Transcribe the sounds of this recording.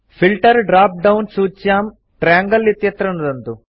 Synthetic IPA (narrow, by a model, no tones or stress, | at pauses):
fʰilʈɐɾɖɾaːp̚ɖɐwnsuːt͡ʃːjaːm | ʈɾaːŋɡɐlːit̪jɐt̪ɾɐnɐd̪ɐnt̪u